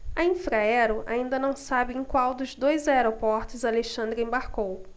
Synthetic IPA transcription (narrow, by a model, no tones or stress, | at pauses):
ɐĩfɾaɛɾʊʔa̰ĩnd̪ɐnɐ̃w̃sabɪẽj̃kwawd̪ʊzd̪ojzaeɾopɔɾt̪ʊzaleʃɐ̃nd̪ɾʊẽbaɾkow